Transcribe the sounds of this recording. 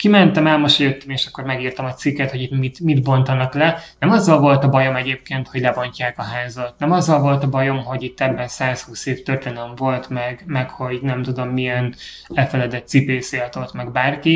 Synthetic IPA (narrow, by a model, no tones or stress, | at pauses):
kimɛnt̪ɛmɛlmoʃɒjøt̪ːømeːʃɒkːo̞rmɛɡiːrt̪ɒmɒt̪sikːɛt̪ho̞ɟit̪mit̪mid̪bo̞nt̪ɒnɒklɛnɛmɒzːɒlvo̞lt̪ɒbɒjo̞mɛɟeːp̚keːnt̪hoɟlɛbo̞ɲcaːkɒɦaːzɒt̪nɛmɒzːɒlvo̞lt̪ɒbɒjo̞mɦo̞ɟit̪ːɛbːɛnsaːshuːseːft̪ørt̪eːnøɱvo̞lt̪mɛɡmɛkho̞ɟnɛmt̪ud̪o̞mːijɛn | ɛlfɛlɛd̪ɛt̪ːsipeːseːlt̪o̞t̪mɛɡbaːrki